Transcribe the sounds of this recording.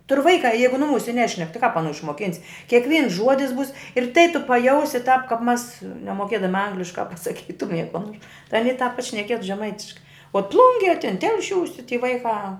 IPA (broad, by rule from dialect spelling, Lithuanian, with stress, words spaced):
tʊrʲ ˈʋɐɪkɑː ˈjɛɪɡʊ nʊˈmuːsʲɛ ˈnʲæːʃʲnʲɛk tʲɪ kɑːp ɐˈnuː ɪʃmoːˈkʲɪnʲsʲ kʲiɛkˈʋʲiːns ˈʒuɔdʲɪs buːs ɪr tɐɪ tʊ pɐˈjɛʊsʲɪ tɑːp kɐp mɐs nʲɛmoːˈkʲiɛdɐmʲɪ ˈɐŋɡlʲɪʃkɑː pɐsɐˈkʲiːtʊmʲiɛ koː noːr ɐˈnʲiː tɑːp pɐʃʲnʲɛˈkʲiɛtʊ ʒʲɛˈmɐɪtʲɪʃkɐɪ oː ˈplˠʊŋʲɡʲiɛ tʲɪn ˈtʲɛlʲʃʲuːsʲɪ tʲɪ tʲiː ˈʋɐɪkɑː